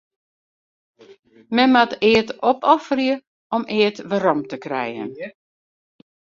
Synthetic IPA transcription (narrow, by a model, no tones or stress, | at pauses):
mɛmatɪətɔpɔfərjə | ɔmɪətʋəɾɔmtəkrɛ̰jə̰n